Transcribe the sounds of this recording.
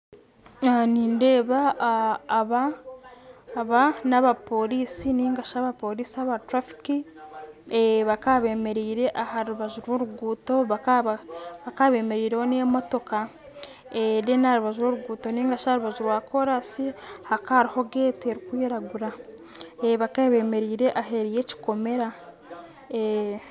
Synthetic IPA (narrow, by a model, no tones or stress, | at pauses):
aniːnde̞ːβaː | βa | βanaβapo̞ɾiːsiniːŋɡaʃaβapo̞ɾiːsiaβatɾafi̥ki | βakaβe̞ːme̞ɾiːɾe̞ʔahaɾuβaʒuɾwoɾuɡuːto̞βaaβakaβe̞ːme̞ɾiːɾehonemo̞to̞ka | edenahaɾuβaʒuɾwoɾuɡuːto̞niːŋɡaʃahɾuβaʒuɾwaːkʰo̞ɾasihakaːɾiho̞ɡeːteɾikwiːɾaɡuɾa | eβakaβe̞ːme̞ɾiːɾe̞ʔaɦe̞ɾije̞ci̥ko̞me̞ɾa | e